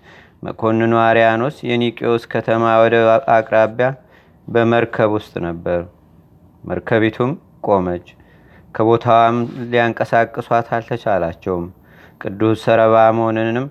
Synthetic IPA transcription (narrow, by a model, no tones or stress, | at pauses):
mʔə̰kʼʰo̞nːɨnuaɾijano̞sjɛnikʼioskʰət̪ʰəmawɔd̪əʔakʼɾaβja | bəməɾkʰəβwʊst̪ʼnəbːəɾ | mʔə̰ɾkʰəβet̪ʰum | kʼo̞mət͡ʃː | kʰəβo̞t̪ʰawamlijaŋkʼəsakʼːɨswʷat̪ʰalt̪ʰət͡ʃalat͡ʃːɛwm | kʼɨd̪ːussəɾəβaməhonɨnɨm